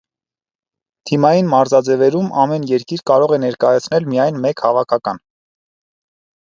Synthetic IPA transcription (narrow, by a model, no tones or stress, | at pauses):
t̪ʰimɑjinmɑɾzɑd͡zɛvɛɾumɑmɛnjɛɾkiɾkɑɾɔʁɛnɛɾkɑjɑt͡sʰnɛlmijɑjnmɛkhɑvɑkʰɑkɑn